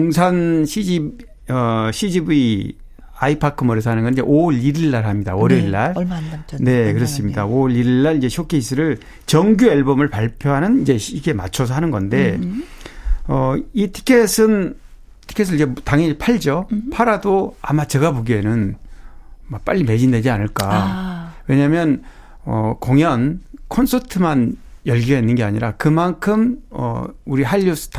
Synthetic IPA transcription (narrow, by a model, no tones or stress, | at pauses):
oŋsʰanɕʰid͡ʑib | ʌɕʰid͡ʑibi | aipʰakʰɯmʌɾis̬ʰʌɦanɯnɡʌnid͡ʑeʔoɭiɾiɭːaɾɦamɲidaoɾiɭːaɾne̞kɯɾʌs͈ɯmɲidaoɭiɾiɭːaɭid͡ʑeɕʰok͈ʰeisʰɯɾɯɭ | t͡ɕʌŋɡjuaɭbʌmɯɭpaɭpʰjoɦanɯnid͡ʑe̞iɡe̞ma̰t͡ɕʰos̬ʰʌɦanɯnɡʌnde̞ | ʌitʰi̥kʰesʰɯn | tʰi̥kʰes̬ʰɯɭid͡ʑe̞taŋʌpʰaɭd͡ʑʌpʰaɾadoa̰mat͡ɕe̞ɡapoɡienɯn | mak̚p͈a̰ʎːime̞d͡ʑinded͡ʑianɯɭk͈a | we̞ɲamjʌn | ʌ̰koŋjʌnkʰonsʰʌtʰɯmanjʌɭɡiʌɦenːɯnɡeaɲiɾakɯmankʰɯmʌ̰uɾiɦaʎːus͈ʰɯ̥t